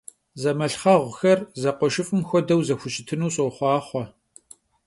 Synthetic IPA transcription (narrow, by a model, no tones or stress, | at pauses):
zɐmɐɬχɐʁʷxɐrzɐqʷɔʃɪfʼɨmxʷɔdɐwzɐxʷʊɕʼɪtʰɨnuːɕʼoχʷɑːχʷɔ